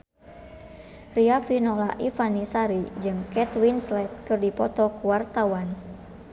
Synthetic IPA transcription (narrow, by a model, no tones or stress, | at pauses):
riafinɔlaʔifanisaɾid͡ʒɨŋkɛt̪winslɛt̪̚kɨrdipɔt̪ɔkuwart̪awan